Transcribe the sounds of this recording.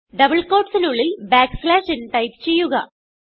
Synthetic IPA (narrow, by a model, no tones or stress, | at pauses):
ɖɐbɐɭkoːʈsinuɭːilbaːkslaːʂinʈɐjpt͡ɕe̞jːuɣɐ̰